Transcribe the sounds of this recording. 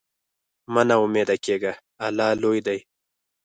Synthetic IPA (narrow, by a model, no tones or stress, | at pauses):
manaʊmed̪akeɡa | alɑlojd̪aj